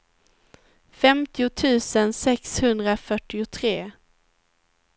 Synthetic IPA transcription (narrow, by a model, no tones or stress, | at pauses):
fɛmt̪ɪʊt̪ʰʉ̟ːsənsɛkshɵnd̪ɾafœʈːɪʊt̪ʰɾeː